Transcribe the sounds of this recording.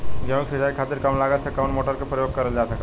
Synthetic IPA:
ɡɛmiksisajkʰat̪iɾkamlaɡasəkaʋənmoʈəɾkepɾəjoɡ̚kəɾəld͡ʒasəka

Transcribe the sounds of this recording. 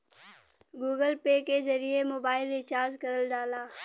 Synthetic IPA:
ɡuːɡəlpeːkezɐɾiemoːbaːɪlɪt͡ʃaːzkɐɾəlɖaːlaː

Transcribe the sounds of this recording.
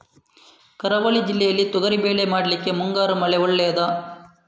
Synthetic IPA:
kɐɾɐʋɐɭid͡ʒilːɛjɐlːit̪ɔɡ̪ɐɾibeːɭemaːɽɐlikːe̞muŋɡaːɾumɐɭeɔɭːɛjɐd̪ɐ

